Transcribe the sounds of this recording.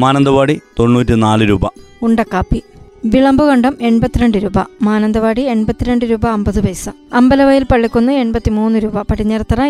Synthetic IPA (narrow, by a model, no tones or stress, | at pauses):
maːnɐnd̪ɐʋaːɽit̪o̞ɳːuːtːinaːlɨɾuːbɐuɳɖɐkːaːpːi | ʋiɭɐmbuɣɐɳɖɐme̞ɳbɐt̪ːiɾeɳɖɨɾuːbɐmaːnɐnd̪ɐʋaːɽie̞ɳbɐt̪ːiɾeɳɖɨɾuːbɐːmbɐðɨʋɐjsɐɐmbɐlɐʋɐjilpɐɭːikʲːunːɐe̞ɳbɐt̪ːimuːnːɨɾuːbɐpɐʈʰːiɲːɐrɐt̪ːɐrɐ